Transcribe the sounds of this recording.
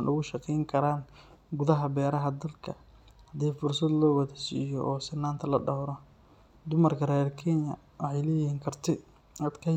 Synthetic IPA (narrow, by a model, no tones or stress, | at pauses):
nʔʊɣʊʃɑqɛjŋkʰɐɾaːn | ɡʊðɐɦɐbɛːɾɐɦɐd̪ɐlkʰɐ | hɐd̪iːfʊrsɐd̪lɔːwɐðɐsḭːjɔʔɔːsɪnaːnt̪ʰɐlɐɖɐwɾɔ | d̪ʊmɐrkʰɐɾɛːɾkʰɛnɐ̰ | wɑħɑjlɛːjɪhiːŋkʰɐrt̪ʰɛ | ɐd̪kʰɐ